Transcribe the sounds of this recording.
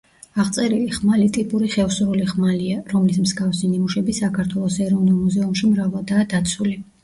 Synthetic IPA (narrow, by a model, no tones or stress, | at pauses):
aʁt̪sʼɛɾiliχmalit̪ʼipʼuɾiχɛvsɾuliχmaliaɾɔmlismsɡafsinimuʃɛbisakʰaɾt̪ʰwɛlˠɔsɛɾɔvnulˠmuzɛumʃimɾavalˠd̪aːd̪at̪sʰuli